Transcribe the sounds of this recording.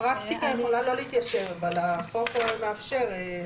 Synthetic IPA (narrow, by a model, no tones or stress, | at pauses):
ʁaktikamulajlo̞leit̪jaʃe̞vavalaχofemeafʃeʁe